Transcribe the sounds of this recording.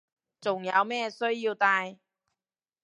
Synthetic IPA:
t͡sʊ˨ŋja̰˨˧˥wmɛː˥sɵ˥ɥjiː˧wt̪aː˧j

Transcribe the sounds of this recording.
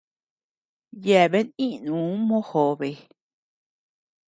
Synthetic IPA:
je˧˨βe˦nĩ˦ʔnũː˨˦mõ˦ho˨βe˨

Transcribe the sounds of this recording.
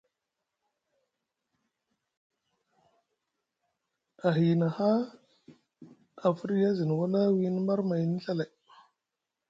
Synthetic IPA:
a˨ɦi˨na˨ha˦ | a˨fu˦ɾi˦ja˦zi˨n˨wa˦na˦wi˨˦ni˦ma˦ɾma˨jni˦ɬa˦la˨j

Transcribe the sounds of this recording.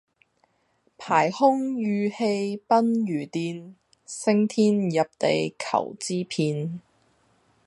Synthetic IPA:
pʰaː˨˩jhʊ˥ŋjyː˨˧he˧jpɐ˥njyː˨˩t̪iː˨˧n | sɪ˥ŋt̪ʰiː˥njɐ˨p̚t̪e˨jkʰɐ̰˨˩wt͡siː˥pʰiː˧n

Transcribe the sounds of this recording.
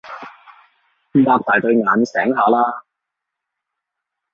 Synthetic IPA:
m̩˧˥paː˧k̚t̪aː˨˩jt̪ɵ˧ɥŋaː˨˧nsɛː˨˥ŋɦaː˨˧laː˥

